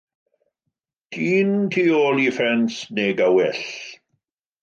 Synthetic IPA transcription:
d̥ʰiːntʰiːoːlˠifɛnsneɡawɛɬ

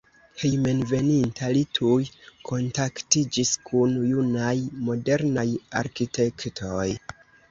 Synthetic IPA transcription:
hejmenve̞nintʰalitʰujkʰo̞ntaktid͡ʒiskʰunjunajmo̞de̞ɾnaja̰ɾkite̞ktʰoj

